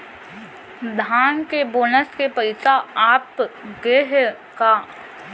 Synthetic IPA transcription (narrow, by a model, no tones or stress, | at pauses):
d̪ʱaːnkeboːnəskepəɪsaaːpɡeɦ | kaː